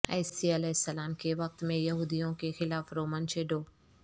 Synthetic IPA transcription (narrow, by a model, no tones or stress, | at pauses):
ɐ̰ːsiɐlɛːɦɪsːɐlaːmkeʋɐk̚t̪mẽjɐɦuːd̪ijõkexɪlaːfɾoːmənt͡ʃʰeːɖoː